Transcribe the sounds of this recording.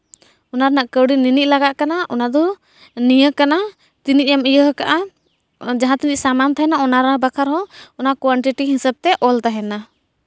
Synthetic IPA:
ɔnaɾnaʔkəwɽininiʔ̚ˀlaɡaʔkanaʔɔnad̪ɔ | nijəkana | t̪inic̚ˀjamijəɦkaʔa | d͡ʒaɦãt̪iniʔsamant̪aɦɛnaɔnaɾabakʰaɾɦɔɔnaʔkwaɳʈiʈiɦisab̚t̪ɛʔɔlt̪aɦɛna

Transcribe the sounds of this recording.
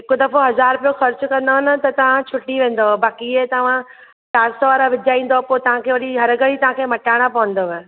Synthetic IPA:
ɦɪkod̪ɐfoɦɐzaːɾpijoxɐɾt͡ɕkɐ̃nd̪oɦɪnə̆t̪ɐt̪ɐʋ̤ãt͡ɕʰʊʈːiʋẽːn̆d̪obaːkiet̪ɐʋ̤ã | ʈaːɾsʋaːɾaʋɪd͡ʑaːĩːn̆d̪opoːt̪ɐʋ̤ãkʰeːʋɐɗiɦɐɾɡəɽit̪ɐʋ̤ãkʰeːmɐʈaːɪɽ̃apɐʋə̃n̆d̪oʋe

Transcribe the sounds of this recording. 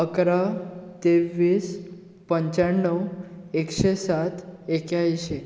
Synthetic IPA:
əkɾat̪eʋːiːs | pəɲt͡ɕaɳːəwekɕesat̪ekjaiɕe

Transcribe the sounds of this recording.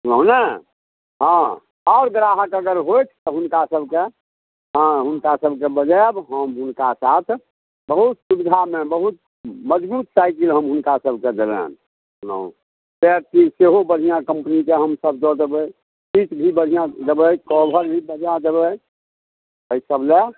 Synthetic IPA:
sunənə | ɦã | ɔːɾɡɾaɦəkəɡəɾɦojt͡ʃʰt̪ɔɦʊnkasəbʱke | ɦɦʊnkasəbʱkebəd͡ʒabɦəmɦʊnkasat̪ʰ | bəɦut̪subid̪ʱamẽbəɦut̪̚ | məd͡ʒbuːt̪saɪkilɦəmɦʊnkasəb̚ked̪əbɛ̰n | nə̰ | p̪eɾk̪iseɦobəɾʱijãkəmpnikeɦəmsəb̚d͡ʒɔd͡ʒ̪əbə | pit͡ʃbʱibədʱijãd͡ʒəbəjkɔbʱəɾbʱibəɾʱijãd͡ʒəbə | əisəble

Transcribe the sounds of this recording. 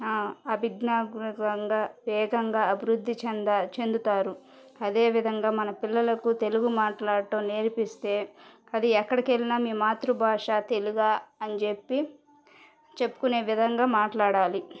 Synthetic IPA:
aːɐbʱiɡnaːɡɾɐŋɡaːʋɛːɡɐŋɡaːɐbʱiɾud̪ʱːit͡ʃɛnd̪ɐt͡ʃe̞nd̪ut̪aːɾu | ɐd̪e̞ːʋid̪ʱɐŋɡaːmɐnɐpilːɐlɐkut̪e̞luɡumaːʈlaːɽʈɐmneːɾpist̪e̞ː | ɐd̪iɛkːɐɽɐkelːinaːmiːmaːt̪ɾubʱaːʂaːt̪e̞luɡaːɐnd͡ʒe̞pːi | t͡ʃe̞pːu̥kune̞ːʋid̪ʱɐŋɡaːmaːʈlaːɽaːli

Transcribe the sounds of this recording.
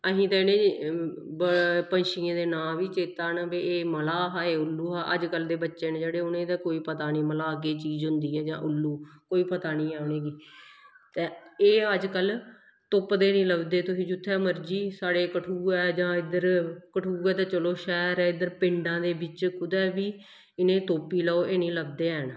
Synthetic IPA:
əɦĩːt̪ãːɪnẽː | pənʃɪːãːd̪eːnãːʋiːt͡ʃeːt̪aːnbeːeːməlaːɦaːeːʊlːuːɦaːʔə̰d͡ʒkəld̪eːbətːʃeːnːd͡ʒeːɽeːʊnẽːt̪ɛːkoːiːpət̪aːniːməlaːk̬eːt͡ʃiːzɦʊnd̪iːɛːd͡ʒã̰ːʔʊlːuːkoːiːpət̪aːnĩːaːɳeːɡiː | t̪ẽːeːəd͡ʒkəl | t̪ʊpd̪eːnĩːləbd̪eːt̪ʊsĩːd͡ʒʊt̪ʰːɛːməɾd͡ʒiːsaːɽeːkəʈʰuːɛːd͡ʒãːɪd̪əɾkəʈʰuːɛːt̪ɛːt͡ʃəloːʃɛːɾɛːɪd̪əɾpɪ̃ɳɖãːd̪eːbɪt͡ʃkʊd̪ɛːʋiː | ɪnẽːt̪oːpiːlɔːoːʔeːnĩːləbd̪eːən

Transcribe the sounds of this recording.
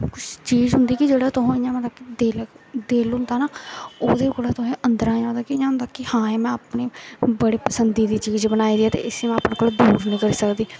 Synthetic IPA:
kʊt͡ʃʰt͡ʃiːzɦʊnd̪iːkɪd͡ʒeːɽaːt̪ʊɦõːɪjãːmət̪əbkid̪eːl | d̪eːlɦʊnd̪aːnaːoːd̪eːkoːɽaːt̪ʊɦẽːʔənd̪əɾãːãːd̪aːkɪɲãɦnd̪aːkɪhãːẽːmɛ̃ːapneːbəɽiːpəsənd̪iːd̪iːt͡ʃiːd͡ʒbənaːiːd̪iaːt̪ḛːɪsemɛ̃ːapɳaːkoːlːd̪uːɾnĩːkəɾiːsəkd̪iː

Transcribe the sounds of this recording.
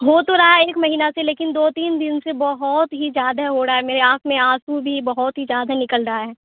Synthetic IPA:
ɦoːt̪oɾaɦaeːkmɐɦiːnaseleːkɪnd̪oːt̪iːnd̪ɪnsebɐɦʊt̪ɦizjaːd̪aɦoɾɐaɦɛmeːɾeaːkmẽaːsubʱibɐɦʊt̪ɦizjaːd̪anɪkəlɾɐɦaɦɛː

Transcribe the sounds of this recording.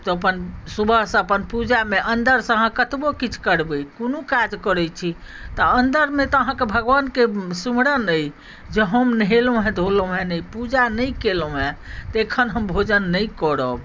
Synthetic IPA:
t̪ɔəpənsubʱəɦsə̃əpənpud͡ʒameʔənd̪əɾsə̃ɦãkət̪bokit͡ʃʰkəɾbəjkonokad͡ʒkəɾɛt͡ʃʰi | t̪əənd̪əɾmet̪əɦãkebʱəɡʋankesumɽənəj | d͡ʒeɦəmnɦelõɦɛ̃d̪ʱolõɦɛ̃nəjpud͡ʒanəjkelõɦɛ̃t̪ekʰənɦəmbʱod͡ʒənːəjkɔɽəb

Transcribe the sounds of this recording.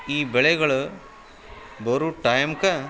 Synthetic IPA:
iːbɛɭeɡɐɭ | bɐɾuʈɐjmkɐ

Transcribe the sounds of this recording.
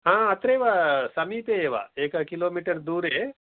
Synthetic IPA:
ɦãːɐt̪ɾeːʋasɐmipeeːʋa̰ːeːkakiloːmiːʈəɾd̪uːɾɦeː

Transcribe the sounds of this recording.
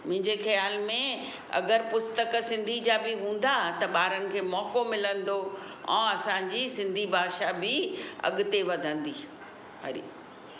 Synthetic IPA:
mʊ̃ɦɪ̃ɲd͡ʑexɐjaːlmẽ | ɐ̰ɡəɾpʊst̪əksɪ̃nd̪ʱid͡ʑaːbɪɦũːn̆d̪at̪ɐɓaːɾənɪ̆kʰeːmɔːkomɪlə̃nd̪o | ɛ̰̃ːɐsãɲd͡ʑiːsɪ̃nd̪ʱibʱaːʃabɪɐ̰ɠʊt̪eʋɐd̪ʱə̃nd̪iː | ɦɐ̰ɾḭː

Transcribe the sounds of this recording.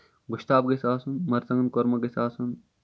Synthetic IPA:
ɡʊʃt̪aːbɡesaːsunmɐɾzɐŋɐnkoɾmɐɡesaːsun

